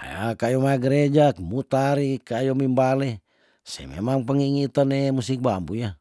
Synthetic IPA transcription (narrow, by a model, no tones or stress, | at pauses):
a̰jakajomajaɡəɾed͡ʒakmut̪aɾikajomimbale | sḛmḛmaŋpəŋiŋit̪anemusik̚bambuja